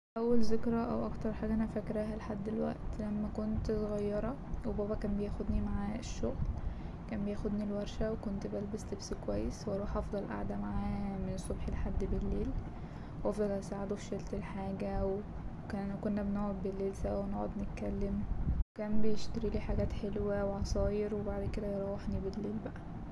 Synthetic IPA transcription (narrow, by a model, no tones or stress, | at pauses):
ʔæwːælzekɾæʔæwʔɑkt̪ɑɾˤħaːɡæʔænæfækɾæːɦæleħad̪ːelwæ̰ʔt̪læmːækont̪soɣɑjːɑɾˤɑ | webæːbɑkæːnbejæxod̪nimaʕaːeʃːoɣlkæːnbejæxod̪nilwæɾˤʃæwekont̪bælbæslebskowæjːeswʔɑɾˤuːħʔɑfd̪ˤɑlʔa̰ʕd̪æmaʕaːmenesˤːobħelħad̪ːbelːeːl | wʔɑfd̪ˤɑlʔæsaʕed̪ofʃælt̪elħaːɡæw | kæːnkonːæbenoːʕod̪̚belːeːlsæwenoʕod̪net̪̚kælːemwwekæːnbejeʃt̪æɾiːliːħaɡæːt̪ħelwæweʕɑsˤɑːjeɾwebaʕd̪ked̪æjeɾˤɑwːeħnibelːeːlbæʔæ